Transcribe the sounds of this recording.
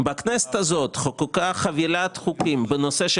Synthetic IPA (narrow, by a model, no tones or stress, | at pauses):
baknɛse̥t̪hazo̞t̪χokukaχavilat̪χukimbeno̞seʃ